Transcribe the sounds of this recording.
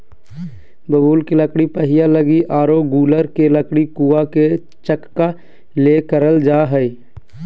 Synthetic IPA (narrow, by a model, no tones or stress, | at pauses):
bəbuːlkiləkɽipəɦɪjaləɡiʔaːɾoɡuːləɾkeləkɽikuːake | t͡ʃəkːa | lekəɾəld͡ʒaːɦəi